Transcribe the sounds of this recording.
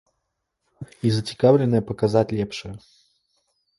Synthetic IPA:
izət͡sʲɪ̥kavlʲɪnːəjəpɐkazatʲlʲɛpʂɨjə

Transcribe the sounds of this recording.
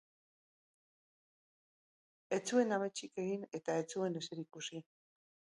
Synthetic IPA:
e̞t͡sue̞namet͡ʃike̞ɣine̞t̪ae̞t͡sue̞ne̞seɾikusi

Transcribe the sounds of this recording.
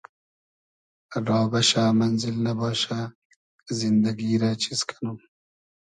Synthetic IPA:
ɾɑːbɐʃaːmɐnzɪlnabɑːʃaː | zɪnd̪ɐɡiːɾaːt͡ʃʰiskʰḁnum

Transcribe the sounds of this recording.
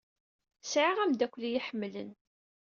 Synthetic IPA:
sʕiʁæmd̪ækʷːlijiħəmːlə̰n

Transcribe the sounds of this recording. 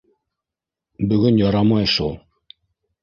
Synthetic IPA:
bɵ̆ɡɵnjɑɾɑmɑjʃulˠ

